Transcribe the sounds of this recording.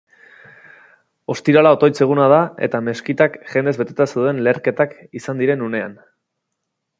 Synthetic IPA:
o̞st̪iɾalao̞t̪o̞jt͡se̞ɣ̞unað̞ae̞̰t̪ame̞skit̪akʝe̞nd̪e̞zβe̞t̪et̪asewðe̞nle̞ːɾke̞t̪akisand̪iɾe̞nune̞a̰n

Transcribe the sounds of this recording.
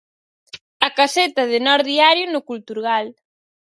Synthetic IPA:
ɐkaset̪ɐðɪnɔɾðiaɾjʊnʊkult̪uɾɣal

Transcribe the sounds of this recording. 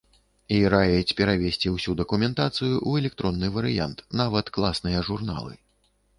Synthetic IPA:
iɾajɛt͡sʲpʲɛɾavʲesʲt͡sʲiwsʲud̪ɐkumʲɛnt̪at̪sɨjuʔuɛlʲɛk̚t̪ɾɔnːɨvɐɾɨja̰nt̪navɐt̪klˠasnɨjɐʐurna̰lˠɨ̰

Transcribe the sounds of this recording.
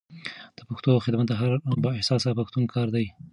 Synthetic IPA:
d̪̥əpaxt̪oxɪd̪mat̪d̪aɦaɾbəɪhsɑsapaxt̪unkʰɑɾd̪aj

